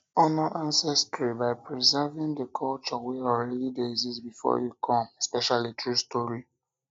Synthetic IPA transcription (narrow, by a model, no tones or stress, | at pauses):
ɔnɔʔãnsɛstɹibaɪpɹizɛvĩŋdəkʰɔlt͡ʃɔwiɔlɹɛdidezizbifɔ̰jukʰɔ̃mɛspɛʃalitʰɹustɔɹi